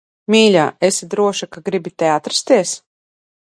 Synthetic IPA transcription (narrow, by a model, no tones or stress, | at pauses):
mʲiːlʲa̰ːesid̪ɾuɔʃakaɡɾibʲit̪ɛat̪ɾḁst̪iɛs